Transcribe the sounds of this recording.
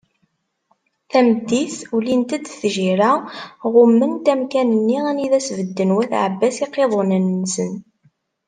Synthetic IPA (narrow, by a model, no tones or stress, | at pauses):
θæməd̪ːiθulint̪æd̪θʒiɾaʁʊmːənt̪æmkænənːiʁæniðæsvəd̪ːənwæθʕəbːæsiqːeðˤonənːsən